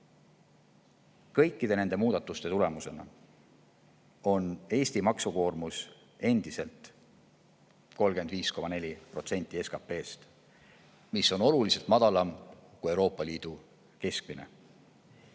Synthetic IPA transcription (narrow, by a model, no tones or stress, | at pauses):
kɤjkˑːid̪e̞ne̞ne̞muːd̪̥ɑt̪ːˑust̪e̞t̪ule̞muse̞nɑ̰ | o̞ne̞ːsʲt̪imɑksuko̞ːrmus | e̞nd̪̥ise̞lt̪ˑ | ko̞lɡ̥e̞nd̪viːsko̞mɑne̞lʲipro̞t̪se̞nʲt̪ːˑie̞skɑpe̞ːst̪ | misːo̞no̞lulise̞lt̪mɑd̪̥ɑlɑmkuewɾo̞ːpˑːɑliːd̪̥u | ke̞sk̚minḛ